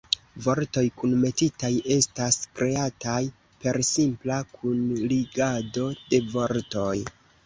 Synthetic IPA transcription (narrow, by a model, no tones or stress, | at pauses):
vo̞ɾto̞jkunme̞titaje̞staskɾe̞ataj | pe̞ɾsimplakʰunliɡado̞de̞vo̞ɾto̞j